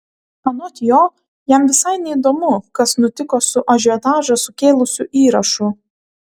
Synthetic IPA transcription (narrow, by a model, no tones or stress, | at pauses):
ɐnoːt̪ʲjoː | jɛmʋʲɪsɐɪnʲɛid̪oːmʊkɐsnʊt̪ʲɪkoːsʊʔɐʒʲʊɛt̪ɑːʒɐsʊkʲeːlˠʊsʲʊʔiːɾɐʃʊ